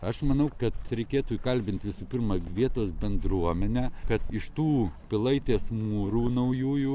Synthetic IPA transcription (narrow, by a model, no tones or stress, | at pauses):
ɐʃmɐnɐʊkɐt̪ɾʲɛɪkʲeːt̪uːikɐlʲbʲɪnt̪ʲʋʲɪsuːpʲɪrmɐʋʲiɛt̪oːsbʲɛnd̪ɾuɔmʲɛnʲæːkɐt̪ɪʃt̪uːpʲɪlˠɐɪt̪ʲeːsmuːɾuːnɐʊjuːju